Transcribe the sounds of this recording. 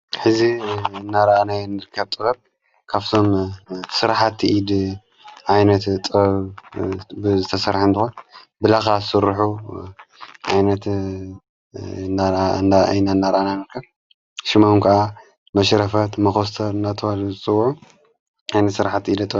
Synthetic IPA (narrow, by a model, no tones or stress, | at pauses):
ħɨziɨnːaɾɐʔanajɛnːɨɾɨkʰːɐbt̪ʼɨɣɐβ̚ | kʰaβt̪ʰo̞msɨɾħat̪ʰːiʔid̪ | ʕajnɐt̪t̪ʼɨɐβ | bɨzɨt̪ʰɐsɐɾħɨnt̪ɨxon | bɨlaxasɨɾħu | ʕajnɐt̪ | na̰nanːaɾɐʔananɨɾkʰːɐɾ | ʃɪmankʰɐʔa | mɐʃɾɐfɐt̪mɐxost̪ʰɐɾɨnːat̪ʰɐwalzɨt͡sʼɨwːʕu | ʕajnɐt̪sɨɾħat̪ːiid̪ɐt̪ʼ